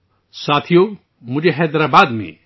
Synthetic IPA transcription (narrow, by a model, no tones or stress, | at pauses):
saːt̪ʰijo | mʊd͡ʒʱeɦɛːd̪ɾaːbaːd̪mḛ̃